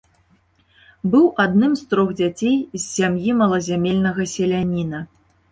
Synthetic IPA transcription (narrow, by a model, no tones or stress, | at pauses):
bɨwʔad̪nɨmst̪ɾɔɣd͡zʲat͡sʲejzːʲamjimɐlˠɐzʲamʲelʲnɐɣɐsʲɛlʲanʲinɐ